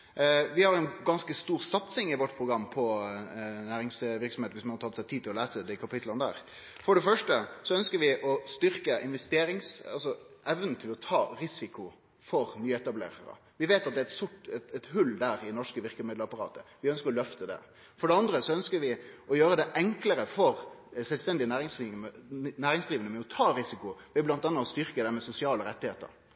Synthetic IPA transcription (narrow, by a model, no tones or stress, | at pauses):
ʋɪhɑɾɛɪnɡɑnskəst̪uːɾsɑt̪sɪŋɪʋɔʈːpʰɾʊɡɾɑmːpʰɔ | næːɾɪŋsʋɪʁksɔmheːt̪əʋɪsmɑnhɑt̪ʰɑt̪sæɪt̪ʰiːt̪ʰɪlɔlæːsəd̪ɪkʰɑpɪt̪ʰlɑnəd̪æ̰ːɾ | fɔɖɛfœʂʈəsɔœnskəɾʋɪʔɔst̪ʏɾkəʔɪnʋɛst̪eːɾɪŋsɑ̰lsɔɛʋnən̩t̪ʰɪlɔt̪ʰɑːɾɪsɪkʊ | fɔɾnyːɛt̪ɑblḛːɾə̰ɾə̰ | ʋɪʋeːt̪ɑt̪̚d̪ɛæɛt̪sʊʈɛt̪ɛt̪ɦʉld̪æɾɪnɔʂkəʋɪʁkəmɪːd̪əɾɑpɑɾɑ̰ːt̪əʋɪœnskəɾɔlœft̪əd̪ɛ̰ | fɔɖɛɑnd̪ɾəsɔœnskəɾʋɪɔjøːɾəd̪ɛʔɛŋkləɾəfɔɾsɛlst̪ɛnd̪ɪənæːɾɪŋsinæːɾɪŋsd̪ʁiːʋənəmɛɔt̪ʰɑːɾɪsɪkʊʋɛblɑnt̪ɑnːɑɔst̪ʏɾkəd̪ɛmɛsʊsɪɑːləɾɛt̪ːɪheːt̪ə̰ɾ